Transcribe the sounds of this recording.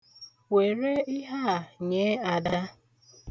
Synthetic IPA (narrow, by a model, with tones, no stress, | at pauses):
we˨ɾe˦ɪ˦ɦa˦˨ɲe˨˦a˨da˦